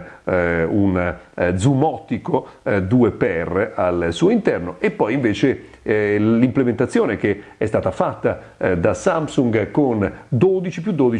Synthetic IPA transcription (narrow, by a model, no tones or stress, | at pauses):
und̪zumɔt̪ːikod̪uːepɛralsuːoint̪ɛrnoʔepːɔjiɱveːt͡ʃe | limplement̪at̪sːjoːnekeɛst̪aːt̪afat̪ːa | d̪asamsuŋɡkond̪oːd̪it͡ʃipjud̪oːd̪i